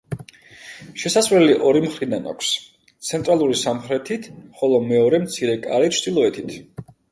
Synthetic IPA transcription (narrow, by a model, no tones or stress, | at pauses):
ʃɛsasvɾɛliʔɔɾimχɾid̪ana̰kʷʰs | t̪sʰɛnt̪ʼɾalˠuɾisamχɾɛt̪ʰit̪ʰχɔlˠɔmɛɔɾɛmt̪sʰiɾɛkʼaɾit̪t͡ʃʰd̪ilˠɔɛt̪ʰit̪ʰ